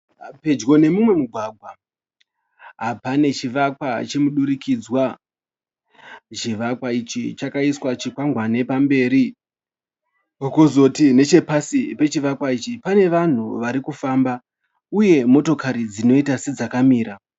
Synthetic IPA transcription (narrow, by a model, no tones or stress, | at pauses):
pe̞d͡ʒɡo̞ne̞mumwe̞muɡʱwaːɡʱwa | ɦapane̞t͡ʃiʋakwat͡ʃe̞muɗuɾikid͡zwa | t͡ʃiʋakwait͡ʃit͡ʃakaiswat͡ʃikwaŋɡwane̞pambe̞ːɾi | okozo̞tine̞t͡ʃe̞pasipe̞t͡ʃiʋakwait͡ʃipane̞ʋan̤uʋaɾikufaːmba | uje̞mo̞to̞kaɾid͡zino̞itased͡zakamiːɾa